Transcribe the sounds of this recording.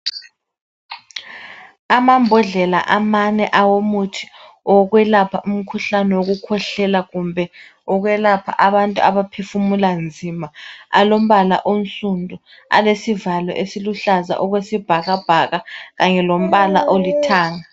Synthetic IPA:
amambʱɔɮɛla̰ʔamanɛʔawomutʰi̥ | ɔɣwɛlapʰaʔum̩kʰuɬanɛwoɣ̬ukʰɔɬɛlaɣumbʱɛ | ɔɣwɛlapʰa̰ʔaβantʼuaβapʰefumuland͡zʱimaa̰lom̩βala̰ʔonsʼundʱʼu | a̰lesivalɔ̰ʔesiluɬaza̰ʔɔkɣwesib̥ʱaɣab̥ʱaɣaɣaŋɛlom̩ɓala̰ʔolitʰaːŋa

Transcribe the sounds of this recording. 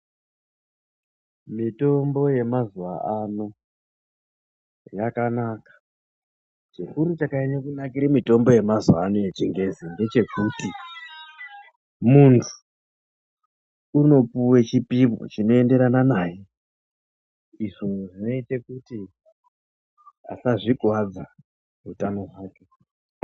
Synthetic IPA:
mito̞mbo̞je̞mazuʋa̰ʔano | jakanakḁ | t͡ʃekuɾut͡ʃakaeɲakunakiɾemito̞mbo̞je̞mazua̰nojet͡ʃiŋɡe̞zinde̞t͡ʃe̞kuti | muntʰu̥ | uno̞puwe̞t͡ʃipimo̰t͡ʃino̞e̞nde̞ɾananaːje | iʐo̞ʐino̞it͡ʃe̞kuti | a̰saʐiɡʱwad͡za | utano̞ɦaːke̞

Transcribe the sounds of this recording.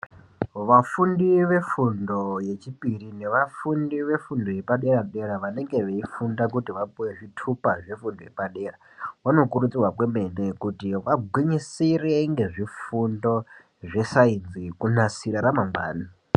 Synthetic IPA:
ʋafundiʋe̞fundo̞je̞t͡ʃipirine̞ʋafundiʋe̞fundo̞jepaɗe̞ɾaɗe̞ɾaʋane̞ŋɡe̞ʋeifundak̬utiʋapuwe̞ʐitʰupaʐefundo̞jḛpaɗe̞ra | wano̞kurut͡sirwakweme̞nekutiʋaɡʱwiɲisire̞ŋɡe̞ʐifundo̞ | ʐe̞sainzikunasiɾaɾamaŋba̰ːni

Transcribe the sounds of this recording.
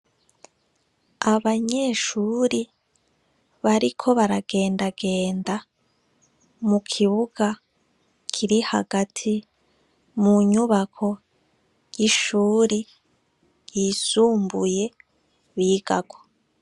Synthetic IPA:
aβaɲe̞ʃuːɾi | βaɾikʰo̞βaɾaɡe̞ːndaɡe̞ːnda | mukʰiβuɡ̥a | kʰiɾiha̰ɡatʰi | muɲuβakʰo̞ | jiʃuːɾi | jiːsuːmbuje̞ | βiːɡ̥a̰ɡo

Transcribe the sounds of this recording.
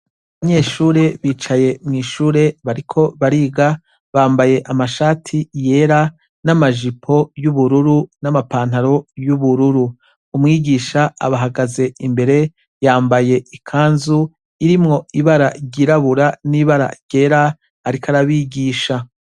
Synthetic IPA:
βaɲe̞ːʃuːɾe̞βiːt͡ʃaje̞mŋiːʃuːɾe̞βaɾikʰo̞βaɾiːɡa | βaːmbaje̞ʔamaʃaːtʰije̞ɾa | namaʒipʰo̞juβuɾuɾunamapaːn̥haɾo̞juβuɾuɾu | umŋiːɡiːʃaa̰βaɦaɡaze̞imbe̞ɾe̞ | jaːmbaje̞ikʰaːnzu | iɾimŋo̞iβaɾaɟiɾaβuɾaniβaɾa̰ɟ̥e̞ɾaː | ɾikʰaɾaβiɡiːʃa

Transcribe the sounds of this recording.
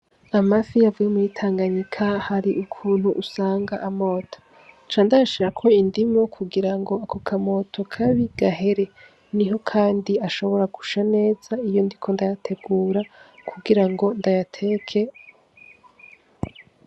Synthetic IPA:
amafijavujemujitʰaːŋɡaɲikʰahaɾiʔukʰuːn̥huʔːsaːŋɡa̰ʔamo̞ːtʰo̥ | t͡ʃaːndajaʃiɾakʰo̞indimo̞kʰuɡiɾaŋɡo̞akokʰamo̞tʰo̞kʰaβiɡ̥aɦe̞ɾe̞ | niɦo̞kʰaːndiaʃo̞βo̞ɾaɡuʃane̞ːz̥aijo̞ndikʰo̞ndajatʰe̞ɡuːɾakʰuɡiɾaŋɡo̞ndajatʰe̞ːkʰe̞

